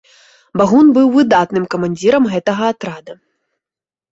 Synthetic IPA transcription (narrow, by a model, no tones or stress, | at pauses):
baɣunbɨwvɨd̪at̪nɨmkɐmanʲd͡zʲiɾɐmɣɛt̪ɐɣɐat̪ɾad̪ɐ